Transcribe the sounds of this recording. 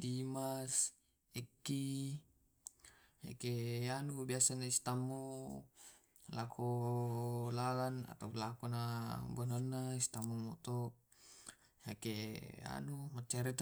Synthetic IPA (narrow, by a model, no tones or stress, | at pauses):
dimas | ɛkːi | ha̰keanubiasanaist̪amːu | lakʰu | lalana̰t̪aulakunabananːaist̪amːumɔt̪ɔ | hakea̰numat͡ʃːaɾit̪